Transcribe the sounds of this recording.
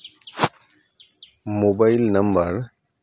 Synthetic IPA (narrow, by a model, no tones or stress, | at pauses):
mobaɪlnɐmbəɾ